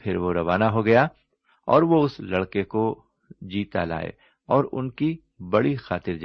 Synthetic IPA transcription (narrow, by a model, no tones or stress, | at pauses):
pʰɪɾʋoɾɐʋaːnaɦoɡɐja | ɔ̰ːɾʋoʊslɐɽkeko | d͡ʒiːt̪ala̰ːḛ | ɔːɾʊ̰nki | bɐɽixaːt̪ɪɾd͡ʒ